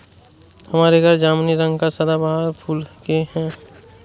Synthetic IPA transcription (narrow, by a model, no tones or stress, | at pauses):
həmaːɾeɡəɾd͡ʒaːmniɾə̃ŋɡkasəd̪abaɦaɾpʰuːlkeɦɛ̃